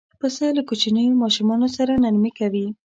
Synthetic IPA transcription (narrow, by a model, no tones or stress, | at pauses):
pəsəlakut͡ʃinəjomɑʃumɑnosaɾanaɾmikawi